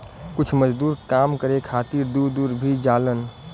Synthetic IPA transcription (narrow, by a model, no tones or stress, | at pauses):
kʊt͡ʃʰməd͡ʒd̪uːɾkamkəɾekʰat̪iɾd̪uɾd̪uːɾbʱid͡ʒalən